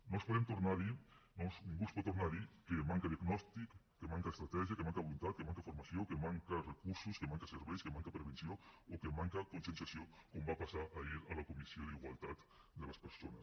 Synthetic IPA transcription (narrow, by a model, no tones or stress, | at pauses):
nospoðemt̪oɾnaɾinosuŋɡuspot̪oɾnaɾikemãŋkaðiaɡnɔst̪ikː | emãŋkaest̪ɾat̪ɛʒjakemãŋkaolunt̪at̪̚kemãŋkafoɾmasjokemãŋkarekuɾsuskemãŋkaseɾβejskemãŋkapɾeβ̞ensjookemãŋkakonsensjasjokombapasaɾʔaiɾalakomisjoðiɣwalt̪at̪ | d̪elaspeɾsona̰s